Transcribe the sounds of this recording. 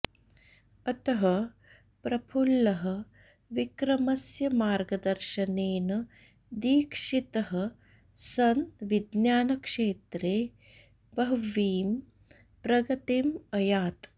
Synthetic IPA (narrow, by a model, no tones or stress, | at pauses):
ɐt̪ɐɦɐ | pɾɐpʰulːɐɦɐ̆ | ʋikɾɐmɐsjɐmaːɾɡɐd̪ɐɾʃɐneːnɐ | d̪iːkʂit̪ɐɦɐ̆ | sɐnt̪ʋid̪njaːnɐkʂeːt̪ɾeː | bɐɦʋiːm | pɾɐɡɐt̪imɐjaːt̪